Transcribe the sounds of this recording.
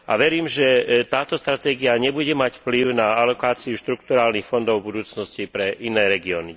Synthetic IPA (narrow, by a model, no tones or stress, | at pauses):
a̰ʋɛɾiːmʒɛt̪aːt̪ɔst̪ɾat̪ɛːɡiaɲɛbuɟɛmacfpliʊnaalɔkaːt͡siuʃt̪ɾukt̪uɾaːlnixfɔnd̪ɔʊbud̪uːt͡snɔscipɾɛʔinɛːɾɛɡiɔːni